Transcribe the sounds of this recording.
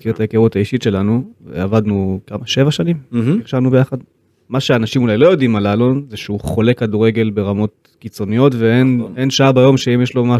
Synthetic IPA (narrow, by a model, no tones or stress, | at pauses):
kiʁet̪aekeʁutaiʃitʃe̞lanuvḛavad̪nukamaʃe̞vaʃanimiʁʃavnubejaχad̪ | maʃeaːnaʃimulajlo̞jo̞dimalalo̞nzeʃeuχo̞le̞kːaduʁe̞ɡe̞lbe̞ʁamo̞t̚ | kit͡so̞nijo̞tveenenʃaabajo̞mʃeimjeʃlo̞ma